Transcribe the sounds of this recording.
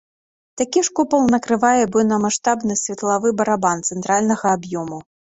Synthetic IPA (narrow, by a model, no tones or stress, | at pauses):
t̪akʲiʂkupɐlˠnɐkɾɨvajɛbɨnɐmaʂt̪abnɨsʲvʲɐt̪lˠavɨbɐɾabant̪sɛnt̪ɾalʲnɐɣɐabjɔmu